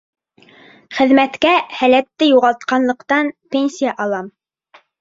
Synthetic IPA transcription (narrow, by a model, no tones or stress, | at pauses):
χɘ̆ðmæt̪kæhælæt̪ːɘjuʁɑlˠt̪qɑnlˠɤ̆qt̪ɑnpʲenʲsʲijaʔɑlˠɑm